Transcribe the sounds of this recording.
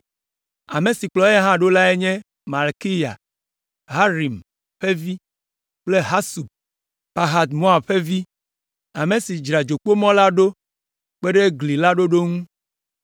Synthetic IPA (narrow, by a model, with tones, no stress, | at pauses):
a˨me˨si˨k͡plɔ˨e˦ɦã˦ɖo˦la˦e˦ɲɛ̃˦ | ma˨lki˦ja̰˨ | ɦa˦ɾi˨m | ɸe˦vi˦ | k͡ple˦ɦa˦su˨ | pa˨ɦa˨t̪mõ˦a˨ɸe˦vi˦ | a˨mẽ˨si˨d͡ʒɾa˨d͡ʒo˨k͡po˦mɔ̃˦la˦ɖo˦ | k͡pe˦ɖe˦ɡli˨la˦ɖo˦ɖo˦ŋũ˦